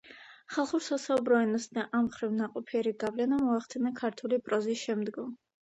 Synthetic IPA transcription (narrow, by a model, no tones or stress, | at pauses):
χalˠχuɾsasaubɾɔɛnɔsd̪aʔamχɾivnaqʼɔpʰiɛɾiɡavlɛnamɔaχd̪ʰɛnakʰaɾt̪ʰulipʼɾɔzisʃɛmd̪ɡɔm